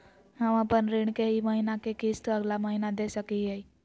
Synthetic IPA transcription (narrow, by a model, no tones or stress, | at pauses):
ɦəməpənɾiɳ̃keɦiməɦinakekist̪əɡlaməɦinad̪esəkiɦɛi